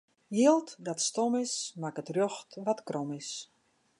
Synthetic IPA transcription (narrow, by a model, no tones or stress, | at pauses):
jiəlˠtdɔtstɔmɪsmakətroxtʋɔtkrɔmɪs